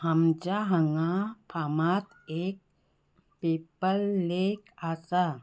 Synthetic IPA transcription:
həmd͡ʑaɦəŋapʰamat̪eːk̚ | pepəlːekasa

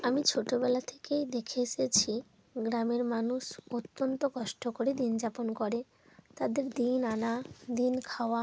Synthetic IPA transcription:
amit͡ɕʰoʈobɛlat̪ʰe̥kejd̪ekʰet͡ɕet͡ɕʰi | ɡɾameɾmanuʃot̪ːont̪okɔʃʈokoɾed̪ind͡ʑaponkoɾe | t̪ad̪eɾd̪inanad̪inkʰaoa

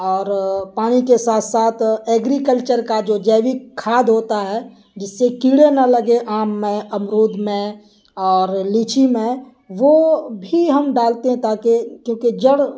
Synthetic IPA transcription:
ɔːɾpaːñikesaːt̪ʰsaːt̪ʰeːɡɾikəlt͡ʃəɾkad͡ʒoːd͡ʒɛːʋikʰːaːd̪ʱɦoːt̪aɦɛ | d͡ʒɪsːekiːɽenalɐɡeʔaːmːẽɐmɾoːd̪ʱmẽ | ɔːɾliːt͡ʃʰimẽ | ʋobʱiɦɐmɖaːlt̪eɦɛ̃t̪aːkekjõːkid͡ʒəɽ

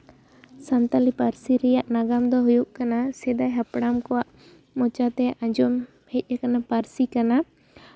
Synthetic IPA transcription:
sant̪alipaɾsiɾɛjaʔnaɡamd̪ɔɦujuʔkanasɛd̪aɦapɽamkɔwaʔ | mɔt͡ʃat̪ɛʔãɲd͡ʒɔm | hɛc̪̚ˀakanapaɾsikana

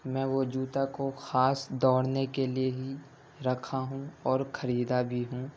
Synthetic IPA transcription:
mɛ̃ːʋod͡ʒuːt̪akoxaːsd̪ɔːɽnekelieɦi | ɾɐkʰaɦũɔːɾxʰɐɾiːd̪abʱiɦũː

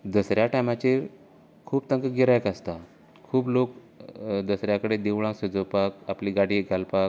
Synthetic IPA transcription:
d̪əsɾjaʈajmat͡ɕe | kʰuːb̚t̪ə̃ŋkəɡiɾajkast̪a | kʰuːblok | d̪əsɾjakəɽed̪eʋɭãŋksəd͡zəwpakapliːɡaɽiɡʱalpak

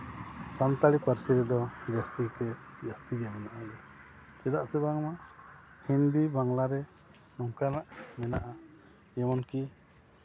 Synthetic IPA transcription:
sant̪alipaɾsiɾɛd̪ɔd͡ʒast̪ikɛd͡ʒast̪iɡamɛnaʔaɡɛ | kɛd̪aʔsɛbaŋma | hind̪ibaŋlaɾɛ | nɔŋkanaʔmɛnaʔa | ɛmɔnki

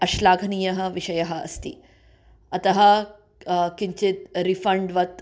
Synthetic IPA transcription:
ɐʃlaːɡʱnijɐɦɐ̆ʋiʃɐjɐɦɐɐ̰st̪ḭː | ɐt̪ɐɦɐ | kiɲt͡ɕit̪ɾifɐɳɖʋɐt̪

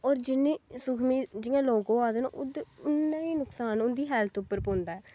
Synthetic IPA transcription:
ɔːɾd͡ʒɪnːẽːsʊkʰmiːd͡ʒɪãːloːɡõːaːd̪eːnaʔʊd̪eʊnːãːiːnʊksaːnʊnd̪iːɦɛːlt̪ʰʊpːəɾpõːnd̪aːɛː

